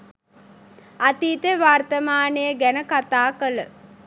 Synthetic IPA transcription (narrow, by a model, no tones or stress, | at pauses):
at̪iːt̪əʋart̪əmaːnəjəɡænəkat̪aːkələ